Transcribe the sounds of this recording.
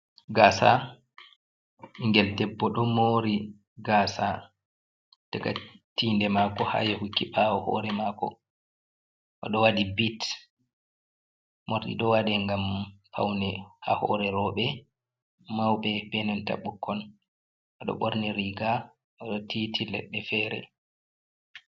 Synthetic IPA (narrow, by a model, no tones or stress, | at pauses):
ɡaːsa | iŋɡɛltɛbːɔɗɔmoːɾi | ɡaːsa | tɛka̰tiːndɛmakɔha̰jɔhukːiɓawɔhɔ̰ɾɛmakɔ̰ | ʔɔ̰ɗɔwadibit | moɾɗḭɗɔwadɛŋɡampʰa̰wnɛhahɔ̰ɾɛɾɔɓɛ | mawɓɛpɛnanta̰ɓːukːɔn | ʔɔɗɔ̰ɓoɾniɾiɡa | ʔɔɗɔtitʰilɛ̰ɗːɛfɛːɾɛ̰